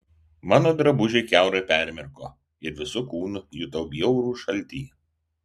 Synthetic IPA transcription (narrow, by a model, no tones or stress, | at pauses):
mɑːnoːd̪ɾɐbʊʒʲɛɪkʲæˑʊɾɐɪpʲæˑɾʲmʲɛɾkoː | ɪɾʋʲɪsʊkuːnʊjʊt̪ɐʊbʲjɛʊɾuːʃɐlʲˑt̪ʲiː